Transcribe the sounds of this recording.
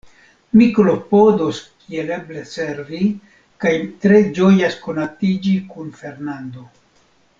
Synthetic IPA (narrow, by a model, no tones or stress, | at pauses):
miklo̞po̞doskiele̞ble̞se̞ɾvi | kajtɾe̞d͡ʒo̞jasko̞natid͡ʒikunfe̞ɾnand̪o̞